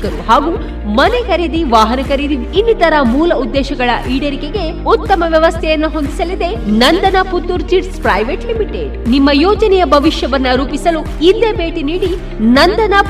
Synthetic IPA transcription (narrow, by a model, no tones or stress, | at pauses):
ɐɾuhaːɡu | mɐne̞kɐɾid̪iʋaːɦɐnɐkɐɾid̪i | inːit̪ɐɾɐmuːlɐud̪ːɛːʃɐɡɐɭɐʔiːɽeɾikeɡe̞ | ut̪ːɐmɐʋjɐʋɐst̪ʰɛjɐnːuɦo̞nd̪isɐlid̪e̞nɐnd̪ɐnɐput̪ːuɾt͡ʃiʈspɾɐːjʋeʈlimiʈeɖnimːɐjɔːd͡ʒɐnɛjɐbʱɐʋiʂjɐʋɐnːɐɾuːpisɐlu | ind̪e̞be̞ːʈiniːɽi | nɐnd̪ɐna